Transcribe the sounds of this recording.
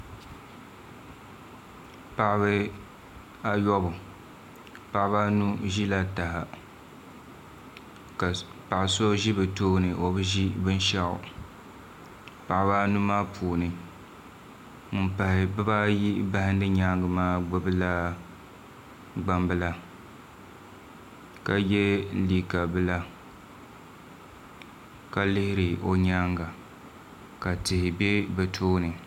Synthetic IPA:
pa˨ʔβɨ˦ | a˦jɔ˦bʊ˨ | pa˨ʔba˦nu˦ʒi˦la˦ta˨ha˨ | ka˨ | pa˨ʔɪ˨so˦ʒi˦bɨ˨toː˦nɨ˨ʔo˨bɨ˦ʒi˦bɨ˦n˦ʃa˦ʊ̰˨ | pa˨ʔɪ˦ba˦nu˦maː˦pʰuː˨nɨ˨ | mɨ˦pa˨hɪ˨bɨ˦ba˦ji˦ba˦hɪ˦ndɨ˦ɲa˦ŋɡɨ˨maː˦ɡ͡bɨ˦bɨ˦la˦ | ɡ͡ba˦mbɨ˦la˦ | ka˨jɛ˦liː˨ka˨bɨ˦la˦ | ka˨lɪ˦hɪ˦ɾɪ˨o˦ɲaː˦ŋɡa˨ | ka˨tɨ˨hɪ˨bɛ˦bɛ˨tʰoː˦nɨ˨

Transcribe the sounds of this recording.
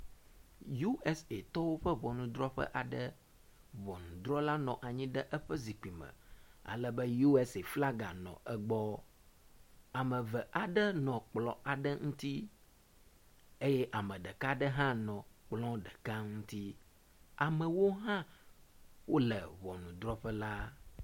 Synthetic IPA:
ju˦ɛ˦se˨t̪ɔ˦wo˦ɸɛ˦βɔ˨nũ˨d̪ɾɔ˦ɸɛ̰˦ʔa˨ɖə˦ | βɔ˨nũ˨d̪ɾɔ˦la˦nɔ̃˨ʔa˨ɲĩ˦ɖə˦ʔɛ˦ɸɛ˦zi˨k͡pi˨mə̰̃˨a̰˨lɛ˦bə˦ju˦ɛ˦se˨fla˦ɡa˨nɔ̰̃˨ɛ˦ɡ͡bɔ˦ | a˨mə̃˨vɛ˨ʔa˨ɖə˦nɔ̃˨k͡plɔ̃˨a˨ɖə˦ŋũ˦t̪i˦ | e˦jɛ˦ʔa˨mə̃˨ɖɛ˨ka˦ɖə˦ɦã˦nɔ̃˨k͡plɔ̃˦ɖɛ˨ka˦ŋũ˦t̪i˦ | a˨mə̃˨wo˦ɦã˦ | wo˦lɛ̰˨βɔ˨nũ˨d̪ɾɔ˦ɸɛ˦la˦

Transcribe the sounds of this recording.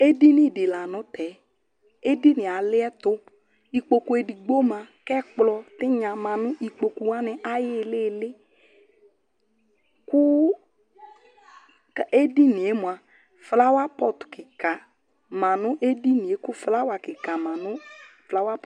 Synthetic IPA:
e˦di˦nɪ˦˨dɪ˨la˨nʊ̃˦tɛ˨˦ | e˦di˦nɪ˨a˨lɪ˦ɛ˦tʊ˦ | i˧k͡po˧ku˦e˧di˨ɡ͡bo˦mã˧kɛ˦k͡plɔ˧tɪ˦ɲã˨˧mã˨nʊ̃˦ʔi˧k͡po˧ku˧wa˦nɪ˨ʔa˦jɪ˦˨lɪ˦˨lɪ˦ | kʊ˦ | ke˦di˦ni˨e˨˦mʊ˨a˨ | fla˦wa˦pɔ˦tʊ̥˨kɪ˨ka˨ | ma˨nʊ̃˦ʔe˦di˦nĩ˨e˨˦kʊ˦fla˦wa˨kɪ˨ka˨mã˨nʊ˦fla˦wa˦p

